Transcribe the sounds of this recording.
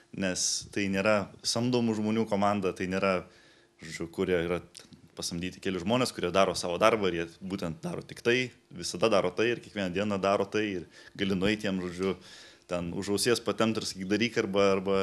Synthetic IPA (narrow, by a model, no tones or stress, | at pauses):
nʲɛst̪ɐɪnʲeːɾɐsɐmd̪oːmuʒmoːnʲuːkoːmɑnd̪ɐt̪ɐɪnʲeːɾɐ | ʒoːd͡ʒʲʊkʊɾʲiɛiːɾɐt̪ʲɛnpɐsɐmʲd̪ʲiːt̪ʲɪkʲɛlʲɪʒmoːnʲeːskʊɾʲiɛd̪ɑːɾoːsɑːʋoːd̪ɐrbɐɪɾjiɛbuːt̪ʲɛnt̪̚d̪ɑːɾo̰ːt̪ʲɪkt̪ɐɪ | ʋʲɪsɐd̪ɐd̪ɑːɾoːt̪ɐɪɪrkʲɛkʋʲiɛnɐd̪ʲiɛnɐd̪ɑːɾoːt̪ɐɪɪrɡɐlʲɪnʊɛɪt̪ʲːiɛmʒoːd͡ʒʲʊt̪ʲɛnʊ̰ʒɐʊsʲeːspɐt̪ʲɛmt̪ɪɾsɐ̥kʲiːt̪̚d̪ɐlʲiːkɐrbɐɐrbɐ